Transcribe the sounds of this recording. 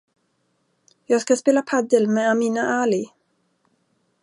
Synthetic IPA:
jɑːɡskaspeːlapʰad̪əlmɛamiːnaʔaːlɪ

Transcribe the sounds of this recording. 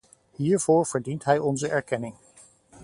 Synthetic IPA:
ɦiːɹv̥oːɹv̥əɹdintɦɛjɔnzəʔɛɹkɛnɪŋ

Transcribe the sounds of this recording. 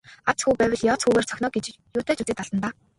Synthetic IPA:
at͡sxuːpæːwʲə̆ɮjɔːt͡sxuːɣeːr̥t͡sʰœxʲnɔːɡet͡ɕ | juːt̪ʰeːt͡ɕut͡siːt̪aɮ̥tə̆nt̪aː

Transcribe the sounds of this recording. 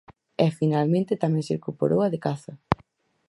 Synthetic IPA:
ɛfinalmẽnt̪ɪt̪amɛ̃ŋseɾkupo̰ɾʔowɐðekaθɐ

